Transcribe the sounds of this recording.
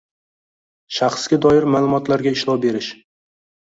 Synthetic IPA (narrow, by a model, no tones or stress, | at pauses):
ʃaχsɡʲad̪ɒjɪɾmaːlˠʊmɒt̪laɾɡʲaɪʃlˠɒwbe̞ɾɪʃ